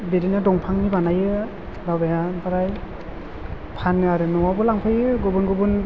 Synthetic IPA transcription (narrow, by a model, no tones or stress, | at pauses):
beɾinadɔŋpʰaŋnibanajɯ | bawbeɦabaɾaj | pʰanːɯaɾɯnɔwabɔlaŋpʰɯjɯɡɔbɯnɡɯbɯn